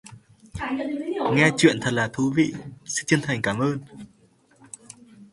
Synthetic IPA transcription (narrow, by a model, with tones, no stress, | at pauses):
ŋɛ˧t͡ɕwḭ˧˨ənt̪ʰə˨˩t̚laː˨˩t̪ʰu˨˦vḭ˧˨sɛ̰˧˥t͡ɕə˧ənt̪ʰa˨˩jŋ̟kaː˨˩mʔəː˧n